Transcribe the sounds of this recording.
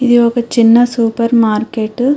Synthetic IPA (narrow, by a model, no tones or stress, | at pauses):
iðijoːkɐt͡ʃɪnːɐsuːpɐɾmaːɾkeːʈː